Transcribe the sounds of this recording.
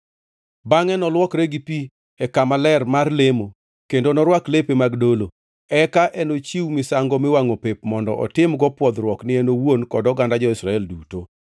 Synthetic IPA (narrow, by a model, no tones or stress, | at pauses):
baŋɛnɔlwɔkɾeɡipi | ɛkamalɛrmarlemo | kendonɔɾwaklepemaɡdolo | ɛkaʔɛnot͡ʃiwmɪsaŋɡɔmɪwaŋopepmɔndɔʔɔ̰tɪmɡɔpwɔd̪ɾwɔknɪɛnowonkɔdɔɡandad͡ʒɔɪsɾaɛlduto